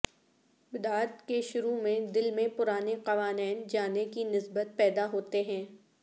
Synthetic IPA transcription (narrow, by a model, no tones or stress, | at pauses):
bɪd̪aːɾt̪keʃʊɾumẽd̪ɪlmẽpʊɾaːneqɐʋaːnɛːnd͡ʒaːnekinɪsbət̪̚pɛːd̪aɦoːt̪eɦɛ̃ː